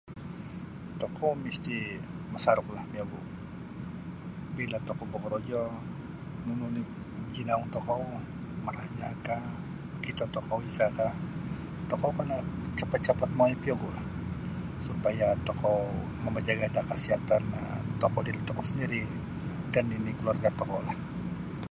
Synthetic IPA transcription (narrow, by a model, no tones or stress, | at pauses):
t̪ɔkɔwmist̪iməsaɾʊk̚lahmiɔɡu | bilat̪ɔkɔwbɔkɔɾɔd͡ʒɔ | nununi | d͡ʒinauŋt̪ɔkɔw | məɾahɲaka | kit̪at̪ɔkɔwisaka | t̪ɔkɔwkanat͡ʃapat̪̚t͡ʃapat̪̚moipiɔɡulah | supajat̪ɔkɔw | məmad͡ʒaɡadakasiat̪an̰t̪ɔkɔdiɾit̪ɔkɔwsəndiɾi | daninikəluarɡat̪ɔkɔwlah